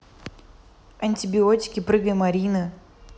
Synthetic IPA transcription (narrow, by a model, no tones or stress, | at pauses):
ɐnʲtʲɪbʲɪotʲɪ̥kʲɪpɾɨɡəjmɐɾʲinɨ